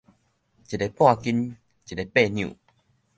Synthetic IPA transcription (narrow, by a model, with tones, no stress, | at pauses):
t͡ɕi˨˩le˨pwa˥˧ki˦n | t͡ɕi˨˩le˨pe˥˧˨njṵ̃˨